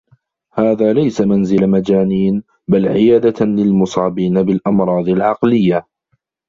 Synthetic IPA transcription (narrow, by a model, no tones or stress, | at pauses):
haːðaːlajsamanzɪlamad͡ʒaːniːn | balʕɪjaːd̪alɪlmʊsˤɑːbiːnabɪlʔɑmɾˤɑːd̪ˤɪlʕɑqlɪjːa